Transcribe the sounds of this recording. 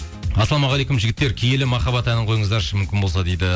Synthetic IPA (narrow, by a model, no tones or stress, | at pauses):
ɑsɑlˠɑmɑʁɑlˠejkʊmʒɪɡʲɪt̪ːeɾkʲʰejelɪmɑχɑbɑt̪ænɪɴqʰo̞jəɴəzd̪ɑɾʃəmʏmkʲɪnbo̞lˠsɑd̪ejd̪ɪ